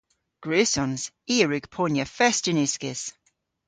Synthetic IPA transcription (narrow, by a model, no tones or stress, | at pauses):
ɡ̥ɹʉːsɔnz̥ | iːəɹʉɡ̥pʰɔnjəfɛstɪnɪskɪz̥